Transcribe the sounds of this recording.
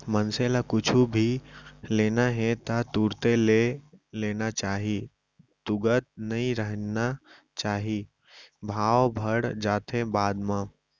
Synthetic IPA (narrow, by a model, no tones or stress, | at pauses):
mənselakʊt͡ʃʰubʱileːnaɦɛ̃t̪at̪uːɾt̪eleleːnat͡ʃaːɦi | t̪ʊɡət̪nəɦĩɾəɦna | t͡ʃaːɦi | bʱaːwbʱəɽd͡ʒaːt̪ʰebaːd̪mã